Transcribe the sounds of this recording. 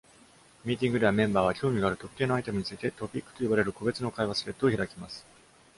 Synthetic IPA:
mʲiːt̪̬ʲĩŋɡɯ̟d̪eamẽ̞mbaːβakʲo̞ːmʲiɡaɾɯ̟t̪o̞kːe̞ːno̞ait̪e̞mɯ̟ɲ̟it͡sɨit̪e̞t̪o̞pʲikːɯ̥t̪o̞ibaɾe̞ɾɯ̟ko̞be̞t͡sɨno̞kaiβasɨɾe̞t̪ːoːçiɾakʲimasɨ̥

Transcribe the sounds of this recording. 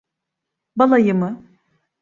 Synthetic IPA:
balˠajɯmɯ

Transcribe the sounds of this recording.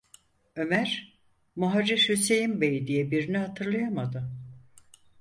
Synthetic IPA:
ø̞mæɾ̥ | muɦaɾiʃhyse̞jimbejd̪ijɛbiɾinihat̪ʰɯɾlˠajamad̪ɯ

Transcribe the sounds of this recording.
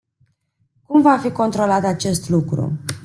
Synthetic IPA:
kumvafiko̞nt̪ɾo̞lat̪at͡ʃe̞st̪lukɾṵ

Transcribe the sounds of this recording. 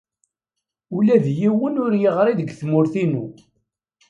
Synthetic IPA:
ulæðjiwənʊɾjəʁɾˤiðəɡθmʊɾθinu

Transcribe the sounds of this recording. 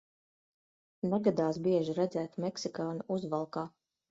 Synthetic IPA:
naɡad̪aːsbiɛʒiɾæd̪zæːt̪mɛksikaːnuʔuzvalˠkaː

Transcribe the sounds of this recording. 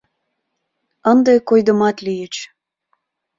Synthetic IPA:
ənd̪ekojd̪ə̆mɑt̪lijət͡ɕ

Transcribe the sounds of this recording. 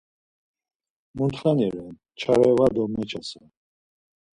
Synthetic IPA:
munt̪χanɛɾɛn | t͡ʃʰaɾɛvad̪ɔmɛt͡ʃʰasa

